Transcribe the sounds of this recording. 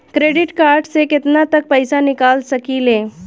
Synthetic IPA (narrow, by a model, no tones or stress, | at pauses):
kɾeɖiʈkaɾɖseket̪nat̪ək̚pəjsanikalsəkiːle